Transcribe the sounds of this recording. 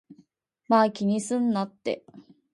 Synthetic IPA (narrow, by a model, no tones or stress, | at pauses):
makʲiɲ̟isɨ̃nːat̪ːe̞̰